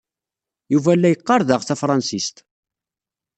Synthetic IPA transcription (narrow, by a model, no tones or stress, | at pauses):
juvælːæjəqːɑɾˤðəʁθæfɾˤɑnsist̪